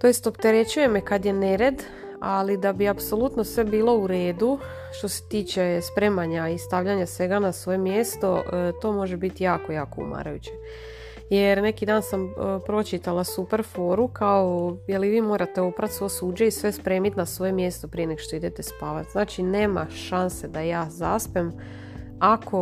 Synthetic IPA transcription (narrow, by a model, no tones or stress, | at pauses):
t̪o̞jest̪o̞pt̪e̞ɾe̞t͡ɕuje̞mekad̪jene̞ɾe̞d̪ | alid̪abiapso̞lut̪nosʋe̞biːlo̞uɾe̞ːd̪u | ʃt̪o̞se̥t̪iːt͡ʃe̞spɾe̞ːmaɲaist̪aʋʎaɲasʋe̞ɡanasʋo̞jemjeːst̪o̞t̪o̞ːmo̞ʒebit̪ijaːko̞jaːkoṵma̰ɾajut͡ɕe | jeɾne̞kid̪aːnsampɾo̞t͡ʃit̪alˠasupeɾfo̞ːɾukaojeliʋiːmo̞ːɾat̪e̞opɾat̪sʋosuːd͡ʒaisʋe̞spɾe̞ːmit̪nasʋo̞jemjeːst̪o̞pɾijeneɡoʃt̪o̞id̪et̪espaːʋat̪znaːt͡ʃine̞ːma̰ʃanse̞d̪ajaːzaspem | akʰo